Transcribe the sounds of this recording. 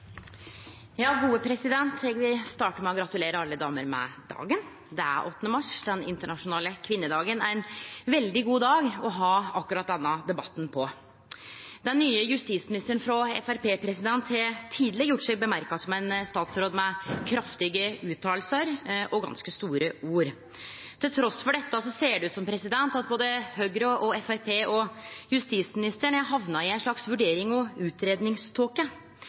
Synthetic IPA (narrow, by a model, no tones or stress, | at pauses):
jɑːɡuːəpʰɾɛsɪd̪ɛnt̪ʰɛɡʋɪst̪ɑːʈəmɛɔɡɾɑt̪ʉleːɾəɑlːəd̪ɑːməɾmɛ̰d̪ɑ̰ːɡən | d̪ɛæ̰ɾʔɔt̪ːnəmɑʂd̪ɛnɪ̰nt̪əɳɑʂʊnɑːləkʰʋɪnːəd̪ɑːɡənæɾɛnʋɛld̪ɪɡuːd̪ɑːɡɔɦɑɑkːʉɾɑt̪̚d̪ɛnːɑd̪ɛbɑt̪ːn̩pʰɔ | d̪̥ɛnːyːəjʉst̪iːt̪smɪnɪst̪əɳfɾɔɛ̰fæɾpeːpʰɾɛsɪd̪ɛnt̪hɛt̪ʰiːd̪lɛɡjʊʈːsɛɡbəmæɾkɑsɔmæɪnst̪ɑːt̪sɾoːd̪mɛkʰɾɑft̪ɪɡəʉːt̪ʰːɑːlsəɾʔɔɡɑ̰nskəst̪uːɾəuːɾ | t̪ʰɪlt̪ʰɾɔsfɔɖɛt̪ːɑsɔseːɖɛʉːt̪sɔmpʰɾɛsɪd̪ɛnt̪ɑt̪̚boːd̪əhøɡɾɔʔɔɛfæɾpeːʔɔjʉst̪iːt̪smɪnɪst̪əɳɛɦɑʋnɑɪæɪnʂɭɑksʋʉɖeːɾɪŋɔʉːt̪ɾeːd̪nɪŋst̪ʰoːkə